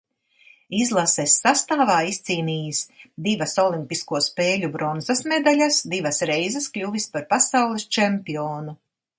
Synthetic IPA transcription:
izlˠasɛsːast̪aːvaːist̪siːniːjisd̪ivasɔlˠimpiskuɔspeːlʲubɾɔnzasmɛd̪alʲasd̪ivɐsɾɛjzɛskʎʲuvispaɾpasawlˠist͡ʃɛmʲpiɔːnu

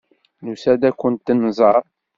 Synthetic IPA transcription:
lusæd̪ækːʊnt̪ːənːzˤəɾˤ

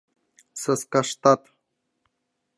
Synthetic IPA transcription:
səskaʂt̪at̪

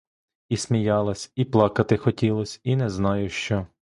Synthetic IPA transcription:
isʲmʲijɑlˠɐsʲiplˠɑkɐt̪ɪxɔtʲilˠɔsʲinɛznɑjʊʃt͡ʃɔ

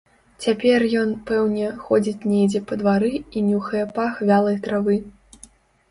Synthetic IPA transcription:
t͡sʲapʲɛrjɔnpɛwnʲɛxɔd͡zʲit͡sʲnʲejd͡zʲɛpɐd̪vaɾɨinʲuxɐjɛpaxvʲalˠɐjt̪ɾavɨ

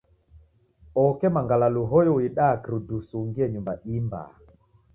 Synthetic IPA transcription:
ɔkɛmaŋɡalaluɦɔjɔwiɗakɾudusuŋɡiɛɲumbaʔimba̰

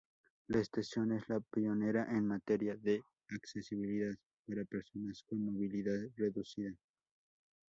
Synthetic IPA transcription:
laest̪asjone̞slapione̞ɾaʔenmat̪eɾjaðe | aksesiβiliðað | paɾapeɾsonaskonmoβiliðaðreðusiða

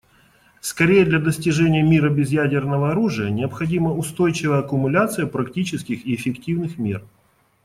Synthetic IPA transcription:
skɐɾʲejəd̪lʲɐd̪əsʲtʲɪʐɛnʲɪjəmʲiɾəbʲɪzjædʲɪrnəvəɐɾuʐɨjənʲɪəpxɐdʲiməʊst̪o̞jt͡ɕɪvəjəɐkʊmʊlʲat̪sɨjəpɾɐktʲit͡ɕɪskʲɪxɪɪfʲɪktʲivnɨxmʲe̞̰r

